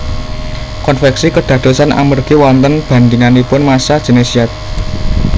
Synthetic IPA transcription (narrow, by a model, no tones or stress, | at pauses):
kɔnfɛksikəɖ̪̥ä̤d̪̥o̤sanʔa̰mərɡ̥ewɔnt̪ənb̥a̤nd̪iŋanipʊnmasad̥ʒ̥e̤nesiat̪̚